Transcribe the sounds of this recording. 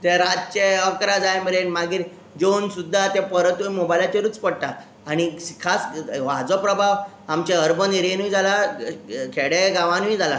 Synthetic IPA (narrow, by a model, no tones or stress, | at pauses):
t̪eɾat̪̚t͡ɕeəkɾad͡zajemeɾenmaɡiːɾ | d͡ʑonsud̪ʱːat̪epəɾət̪ujmobajlat͡ɕeɾut͡spəɽʈa | añikʰasʋad͡zɔpɾəbʱaʋ | amt͡ɕeəɾbʱəniɾenuĩd͡zʱala | kʰeɽeɡaʋãnuid͡zʱala